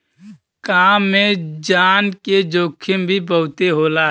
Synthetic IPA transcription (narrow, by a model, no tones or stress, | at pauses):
kaːmːẽd͡ʒaːnked͡ʒoːkʰːembʱibəɦʊt̪eɦoːla